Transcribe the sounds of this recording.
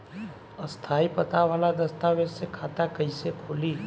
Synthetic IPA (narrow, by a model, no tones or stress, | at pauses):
ɐst̪ʰaːipɐt̪aʋaːlad̪ɐst̪aːʋessekʰaːt̪akɐisekʰʊːli